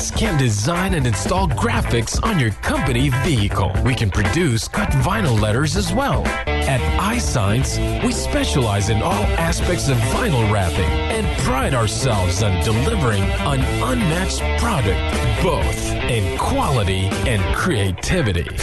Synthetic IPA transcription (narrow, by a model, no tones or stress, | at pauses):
skʰæ̃ndɨzãɪ̃nɨ̃nɨ̃nstɔlˠɡɹæfɨksn̩jə˞kʰʌ̃mpɨniviɨkʰl̩ˠwikɨ̃npʰɹ̥ɨdʉskʰʌtvãɪ̃nl̩ˠlɛɾə˞zɨzwɛlˠ | ɨɾaɪsã̰ɪ̃ns | wispɛʃəlaɪzɨ̃nɔlˠæspɛk̚tsʌvːãɪ̃nl̩ˠɹæpɪ̰̃ŋ | ɨ̃npʰɹ̥aɪɾaə˞sɛ̰lˠvzɨ̃ndɨlɪvə˞ɪ̃ŋ | ə̃nʔʌ̃nmækspʰɹ̥ɑɾɨk̚t̚b̥oʊθ | ɨ̃nkʰw̥ɑlˠəɾiɨ̃nkʰɹ̥ieɪtʰɪvɨɾḭ